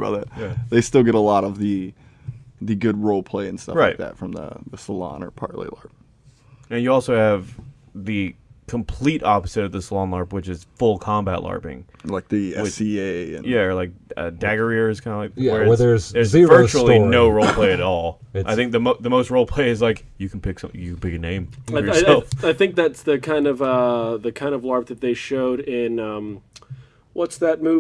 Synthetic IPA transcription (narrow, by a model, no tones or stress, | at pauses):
ɡʌ̰ðɨt̚jæðeɪstɪlˠɡɛɾəlɔɾʌvðɨ | ðɨɡʊd̚ɹoʊlˠpʰl̥eɪɨ̃nstʌ̰ɹaɪtðɨ̰tfɹʌ̃mðə̰ðəsəlɑ̰̃nə̰˞pʰɑ̰ɹʔlḭlɑ̰ɹp̚ | ɨ̃njɨɔlˠsoʊɨv | ðɨ | kʰə̃mpʰl̥iɾɑpəz̥ɨɾʌvðɨsəlɑ̃nlɑɹpwɨt͡ʃɨz̥fʊlˠkʰɑ̃mbæ̰tˡlɑ̰ɹpɪ̰̃ŋ | laɪk̚ðɨɛwɪsieɪɨ̰̃njæə˞laɪk̚ʌ̰dæɡə˞iə˞z̥kʰãɪ̃ndəlaɪkwə˞əðə˞zðə˞zvɜ˞t͡ʃul̩ˠinoʊɹoʊlˠpʰl̥eɪɨɾɾɔlˠʔaɪθɪ̃ŋk̚ðɨmoʊðɨmoʊst̚ɹoʊlˠpʰl̥eɪɨzlaɪk | jɨkʰn̩pʰɪksʌ̃mθɪ̃jɨkn̩pɪkɨnẽɪ̃maɛlˠfaɪθɪ̃ŋk̚ðætsðɨkʰãɪ̃ndʌvʌðɨkʰãɪ̃ndʌvlɑɹp̚ðɨt̪̚ðeɪʃoʊɾɪ̃nʌ̃m | wʌtsðɨt̚mu